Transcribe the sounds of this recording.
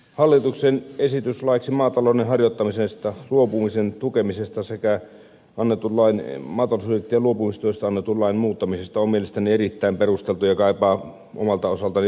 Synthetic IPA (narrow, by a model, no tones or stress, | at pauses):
hɑlːit̪uksenesit̪yslɑiksimɑːt̪ɑloˑnenɦɑrjot̪ːɑmisest̪ɑluopumisent̪ukemisest̪ɑsekæ | ɑnːet̪ulːɑinmɑːt̪ɑlosudet̪ːijɑluopumist̪uˑist̪ɑɑnːet̪ulːɑinmuːt̪ːɑmisest̪ɑommielest̪ænierit̪ːæˑimperust̪elt̪ujɑkɑˑipɑː | ʔo̰mɑlt̪ɑosɑlt̪ɑni